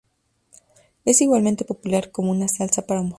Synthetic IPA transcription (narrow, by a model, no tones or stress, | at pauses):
e̞siɣwalmẽ̞nt̪e̞po̞pulaɾko̞mounasalsapaɾamu